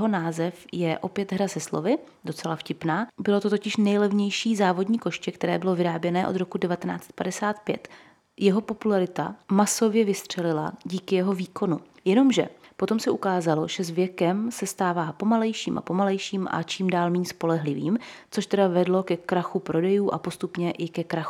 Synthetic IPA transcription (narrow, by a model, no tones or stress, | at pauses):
ɛɦo̞naːzɛfjɛʔo̞pjɛt̪ɦɾazɛslovɪ | do̞t͡sɛlafcɪpnaːbɪlo̞t̪ot̪o̞cɪʃnɛjlɛvɲɛjʃiːzaːvo̞dɲiːko̞ʃcɛkt̪ɛɾɛːbɪlo̞vɪɾaːbjɛnɛːʔo̞d̪ɾo̞kudɛvat̪ɛna̰ːt͡sɛ̥t̪̚padɛsaːt̪pjɛ̰t̪ | jɛɦo̞po̞pulaɾɪt̪a̰maso̞vjɛvɪst̪r̥ɛlɪla̰ɟiːkɪjɛɦo̞viːko̞nu | jɛno̞mʒɛ̰po̞t̪o̞msɛʔukaːzalo̞ʒ̥ɛzvjɛkɛmsɛst̪aːvaːpo̞malɛjʃiːmʔa̰po̞malɛjʃiːmʔa̰t͡ʃiːmdaːlmiːɲspo̞lɛɦlɪvḭːmt͡so̞ʃt̪ɛdavɛdlo̞kɛkɾaxupɾo̞dɛjuːʔa̰po̞st̪upɲɛʔɪkɛkɾaxu